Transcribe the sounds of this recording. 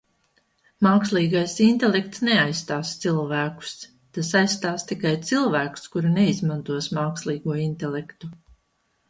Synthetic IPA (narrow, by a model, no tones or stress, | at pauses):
maːkslˠiːɡajsint̪ɛlekt̪snɛajsːt̪aːst̪silˠvæːku̥s | t̪asajst̪aːst̪ikajt̪silˠvæːku̥skuɾunɛizmãnt̪uɔsmaːkslˠiːɡuɔint̪ɛlɛkt̪u